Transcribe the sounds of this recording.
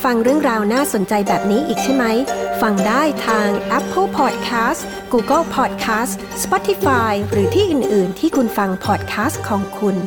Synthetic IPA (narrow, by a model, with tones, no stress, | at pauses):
fa˧ŋɾɯ˥˩əŋɾaː˧wnaː˥˩so˩˦nt͡ɕa˧jbɛː˨˩p̚niː˦˥ʔiː˨˩k̚t̪ʰi˥˩ma˦˥jfa˧ŋdaː˥˩jt̪ʰaː˧ŋʔɛ˦˥pʰːɤ˥lpʰɔː˨˩t̪̚kʰaː˦˥s | ɡuː˧kɤ˥lpʰɔː˨˩t̪̚kʰaː˦˥s | spɔː˦˥t̪ʰːi˧˦faː˧jɾɯː˩˦t̪ʰiː˥˩ʔɯː˨˩nʔɯː˨˩nt̪ʰiː˥˩kʰu˧nfa˧ŋpʰɔː˨˩t̪̚kʰaː˦˥st̪kʰːɔː˩˦ŋkʰu˧n